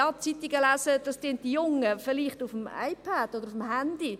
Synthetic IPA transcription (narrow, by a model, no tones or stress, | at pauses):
ɑt͡sit̪iɡəlæzəd̥ɑsd̥eːnt̚d̥ijʊŋəfɪʁliːχtufm̩a̰ɪpʰad̥odəɾufm̩hænd̥i